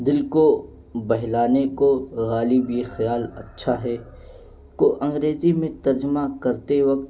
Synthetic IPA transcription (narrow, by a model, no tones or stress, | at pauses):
d̪ɪlko | bɐɦlaːnekoɣaːlibjexjaːlɐ̰tːʃʰaɦɛː | koʔɐ̃ŋɡɾeːzimẽt̪ɐɾd͡ʒəmakɐɾt̪eʋɐk̚t̪